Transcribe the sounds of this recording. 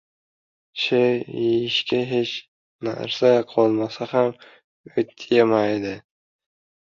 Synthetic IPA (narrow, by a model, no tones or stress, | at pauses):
ʃeɪʃkʲʰɪɦet͡ʃ | na̰ɾsaqʰɒlˠmasaham | ot̪ʰjemajd̪ɪ